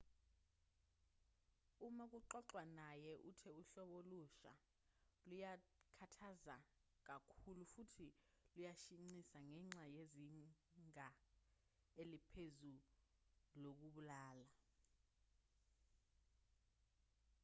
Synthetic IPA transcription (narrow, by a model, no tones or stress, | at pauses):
umak̬uǃɔǃwanajɛʔutʰɛuɬɔɓoluʃa̰ | lujakʰatʰaza | k̬akʰulufutʰilujaʃiŋ͡ǀisaŋɛŋ͡ǀajeziŋʱa | elipʰezu | lok̬uɓulaːla